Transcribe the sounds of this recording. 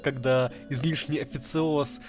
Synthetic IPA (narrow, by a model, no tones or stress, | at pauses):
kɐɡd̪a | ɪzlʲiʂnʲɪjɐfʲɪt̪sɨos